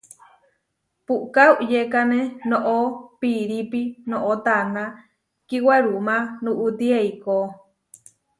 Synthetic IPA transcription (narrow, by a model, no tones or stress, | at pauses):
puʔkauʔjekanenoʔopiɾipinõʔot̪ana | kiwaɾumãnuʔut̪ieiko